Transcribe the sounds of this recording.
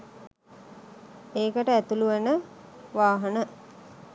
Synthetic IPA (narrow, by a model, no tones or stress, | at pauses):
eːkəʈəæt̪uluʋənəʋaːɦənə